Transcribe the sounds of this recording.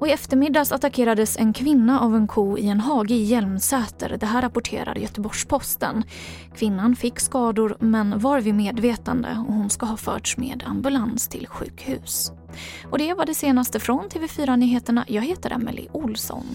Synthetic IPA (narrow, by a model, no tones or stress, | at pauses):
ʔɔɪɛft̪əɾmɪd̪ːasat̪akʰeːɾad̪əsɛnkʰvɪnːaʔavɛnkʰuːɪɛnɦɑːɡəjɛlmsɛːt̪ə̰ɾd̪ɛɦæːɾapʊʈʰḛːɾa̰ɾjœt̪əbɔʂpʰɔst̪ə̰n | kʰvɪnːanfɪkːskɑːd̪ʊɾmɛnvaɾvɪmeːd̪veːt̪and̪ə̰ɔ̰hʊnskaɦɑːfœ̰ːʈʂmḛːd̪a̰mbɵlanst̪ʰɪ̰lɧʉ̟ːkhʉ̟ːs | ɔd̪ɛvaɖɛseːnast̪əfɾɔnt̪ʰeːvɛfyːɾanyːɦeːt̪əɳa̰jɑːɡɦeːt̪əɾʔa̰mɛ̰lɪ̰ʔʊlsɔ̰n